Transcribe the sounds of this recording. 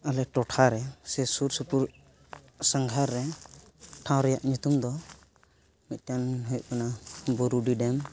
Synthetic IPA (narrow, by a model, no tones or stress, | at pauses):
alɛk̚ʈɔʈʰaɾɛsɛsuɾsupuɾ | saŋɡʱaɾːɛ | ʈʰãwɾɛjaʔɲut̪umd̪ɔ | mit̪̚ˀtanɦujʔkanabɔɾuɖiɖɛm